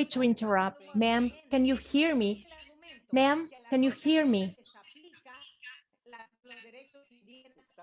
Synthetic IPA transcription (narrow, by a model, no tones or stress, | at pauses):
itʰuɪ̃ntə˞ʌp̚t̚mæ̃mkɛ̃njuhiɹmi | mæ̃mkɛ̃njuhiɹmi